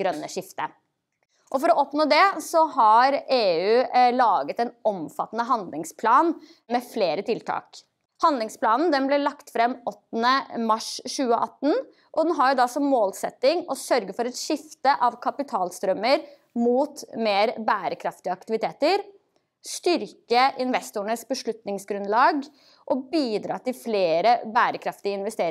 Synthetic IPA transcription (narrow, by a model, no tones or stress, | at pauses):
ɾœnːəʂɪft̪ə | ʔɔfɔɾɔʔɔpnoːd̪ɛsɔɦɑɾeːʉːlɑːɡət̪ɛnɔmfɑt̪ːənəɦɑnd̪lɪŋspʰlɑːn | mɛfleːɾət̪ʰɪlt̪ʰɑ̰ːk | hɑnd̪lɪŋsplɑːnn̩d̪ɛnblɛlɑkt̪fɾɛmːɔt̪ːənəmɑʂʃʉːəʔɑt̪ːən | ʔɔd̪ɛnɦɑɾjʊd̪ɑsɔmːoːlsɛt̪ːɪŋɔsœɾɡəfɔɾɛt̪ʃɪft̪əʔɑʋkʰɑpɪt̪ʰɑːlst̪ɾœmːəɾ | muːt̪meːɾbæːɾəkʰɾɑft̪ɪəɑkt̪ɪʋɪt̪ʰeːt̪əɾ | st̪ʏɾkəʔɪnʋɛst̪ʊɳəsbəʂɭʉt̪nɪŋsɡɾʉnlɑːɡ | ʔɔbiːd̪ɾɑ̰ːt̪ɪlfleːɾəbæːɾəkʰɾɑft̪ɪəɪnʋɛst̪eːɾ